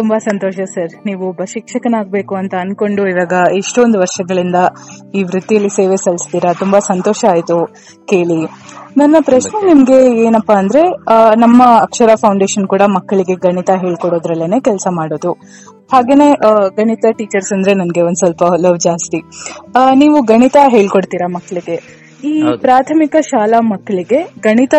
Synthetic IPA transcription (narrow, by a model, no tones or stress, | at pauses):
t̪umbɐsɐnt̪oːʃɐsɐɾniːʋubʱɐʃikʂɐkɐnaːɡ̚be̞ːkuɐnt̪ɐːnko̞ɳɖuiʋaːɡɐiʂʈond̪uʋɐɾʂɐɡɐɭind̪ɐiːʋɾut̪ːijɐlːise̞ːʋe̞sɐlist̪iːɾɐt̪umbɐsɐnt̪oːʃɐaːjt̪u | ke̞ːɭinɐnːɐpɾɐʃne̞nimɐɡe̞eːnɐpːaːnd̪ɾe̞nɐmːɐːkʂɐɾapʰɐwɳɖeːʃɐnkuːɽɐmɐkːɐɭiɡe̞ɡɐɳit̪ɐɦe̞ːɭkoɽo̞ːd̪ɾɐlːene̞ːkɛlsɐmaːɽoːd̪u | haːɡe̞ːneɡɐɳit̪ɐʈiːt͡ʃɐɾsɐnd̪ɾe̞nɐnɡe̞ond̪sɐlpɐlɐʋd͡ʒaːst̪i | niːʋuɡɐɳit̪ɐɦe̞ːɭko̞ɽt̪iːɾamɐkːɐɭiɡe̞ | iːpɾaːt̪ʰɐmikɐʃaːlɐmɐkːɐɭiɡe̞ɡɐɳit̪ɐ